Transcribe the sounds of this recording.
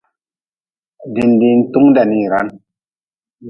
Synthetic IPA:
di˨ndi˨n̩˦tu˦ŋda˨ni˦˨ɾa̰˦n

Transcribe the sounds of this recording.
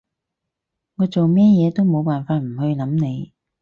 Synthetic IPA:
ŋɔː˨˧t͡so˨wmɛː˥jɛː˨˧t̪o˥wmo˨˧wpaː˨˩nfaː˧t̚m̩˨˩hɵ˧ɥlɐ˨˥mne˨˧j

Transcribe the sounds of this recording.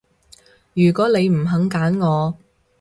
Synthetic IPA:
jyː˨˩kɔː˨˥ne˨˧jm̩˨˩ɦɐ˨˧˥ŋkaː˨˥nŋɔː˨˧

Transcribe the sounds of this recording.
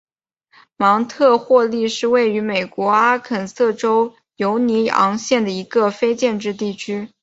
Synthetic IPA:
mɑ˧˥ŋt̪ʰɤ˥˧xwɔ˥˧li˥˧ʂɻ̩˥˧we˥˩ɪy˧˥me˨˩ɪkwɔ˧˥a˥kʰə˨˩nsɤ˥˩ʈ͡ʂo˥ʊ | jo˧˥ʊni˧˥ɑ̰˧˥ŋɕjɛ˥˩nd̪ə˩i˧˥ɡə˧fe˥ɪt͡ɕjɛ˥˧nʈ͡ʂɻ̩˥˧t̪̬i˥˩t͡ɕʰy˥

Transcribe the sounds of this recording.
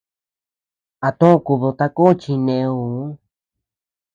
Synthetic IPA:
a˨t̪õ˦˧ku˧βo˧t̪a˧ko˦˧t͡ʃi˧nẽ˧u˨˦

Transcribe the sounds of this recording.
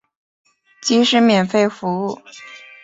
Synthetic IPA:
t͡ɕi˧˥ʂɻ̩˥˧mjɛ˨˩nfe˥˧ɪfu˧˥u˥˩

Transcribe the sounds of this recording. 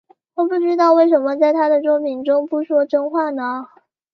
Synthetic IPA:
wɔ˨˩pu˥˩ʈ͡ʂɻ̩˥t̪ɑ˥˧ʊwe˥˩ɪʂə˧˥nmə˧t͡sa˥˩ɪt̪ʰa˥d̪ə˨ʈ͡ʂwɔ˥pʰi˧˥ŋʈ͡ʂʊ˥ŋpu˥˩ʂwɔ˥ʈ͡ʂɤ˥ŋxwa˥˩nə˩

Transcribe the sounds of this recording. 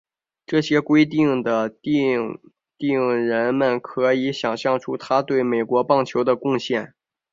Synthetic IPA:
ʈ͡ʂɤ˥˩ɕjɛ˥kwe˥ɪt̪̬i˥˩ŋd̪ə˩t̪ | t̪i˥˩ŋɻə˧˥nmə˧˩nkʰɤ˧˥i˧˥ɕjɑ˨˩ŋɕjɑ˥˩ŋʈ͡ʂʰu˥t̪ʰa˥t̪we˥˩ɪme˨˩ɪkwɔ˧˥pɑ˥˩ŋt͡ɕʰjo˧˥ʊd̪ə˧kʊ˥˧ŋɕjɛ˥˩n

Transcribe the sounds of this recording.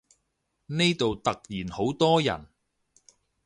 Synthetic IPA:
ne˥jt̪o˨wt̪ɐ˨k̚jiː˨˩nho˨˥wt̪ɔː˥jɐ̰˨˩n

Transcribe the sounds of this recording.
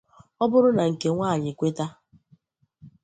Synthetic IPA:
ɔ˦bʊ˦ɾʊ˦na˨ŋ̩˨ke˨ŋʷaː˦˨ɲɪ˨kʷe˦ta˦

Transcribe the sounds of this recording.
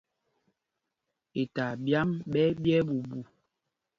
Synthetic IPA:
e˨ta˨bja˦mɓɛ˦bjɛ˦ɓu˨bu˨

